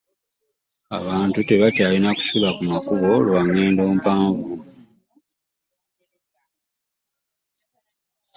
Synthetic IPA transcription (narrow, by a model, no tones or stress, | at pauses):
a̰βaːntute̞βatjaːlinaku̥sulakumakuβo̞lwaŋːe̞ːndo̞ːmpaːvu